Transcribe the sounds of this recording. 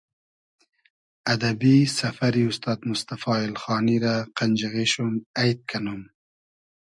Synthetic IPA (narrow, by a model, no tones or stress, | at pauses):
ad̪abisafaɾiust̪ɑːd̪mʊst̪afɑːɪlxɑːniɾaqand͡ʒaɣiʃumajt̪̚kʰanum